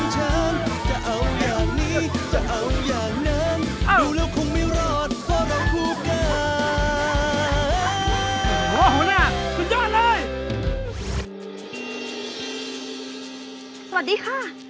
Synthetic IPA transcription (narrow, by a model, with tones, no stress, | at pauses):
t͡ɕʰa˦˥nt͡ɕa˧˩ʔa˧wjaː˨˩ŋ̚niː˦˥˩t͡ɕa˧˩ʔa˧wjaː˨˩ŋ̚na˦˥nʔduː˧˩lɛː˦˥wkʰo˧˥ŋmiː˧˩ɾɔː˩t̪̚pʰɔː˧˩ɾa˧˥wkʰuː˧˩kaː˧˩˦ | na˧˩kʰu˧˥nt͡ɕɔː˥˩˨nlɤː˧˥˩j | sa˧wa˨˩t̚diː˨˧˥kʰaː˥˩